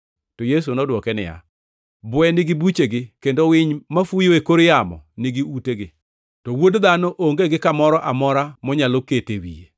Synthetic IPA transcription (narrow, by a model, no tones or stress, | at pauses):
tɔjes̬unɔdwɔkɛnɪ̰ja̰ | bʊɛnɪɡɪbut͡ʃeɡɪkendowɪɲmafujoekoɾjamɔ̰nɪɡɪuteɡɪ | tɔwodd̪anɔʔoŋɡeɡɪkamɔɾɔʔamɔɾamɔɲaloketewḭje